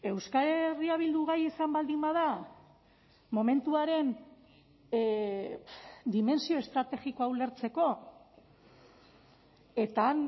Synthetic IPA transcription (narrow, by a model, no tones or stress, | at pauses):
e̞wskaɾeriaβ̞ild̪uɣajisambald̪imbað̞a | mo̞me̞nt̪uaɾe̞n | d̪ime̞nsio̞e̞st̪ɾat̪e̞ɣiko̞awle̞ɾt͡se̞ko̞ | e̞t̪aːn